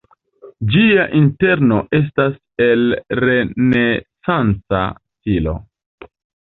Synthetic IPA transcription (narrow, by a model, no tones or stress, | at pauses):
d͡ʒiaʔinte̞ɾno̞ʔe̞s̬tas | e̞lɾe̞ne̞sant͡sa̰stilo̞̰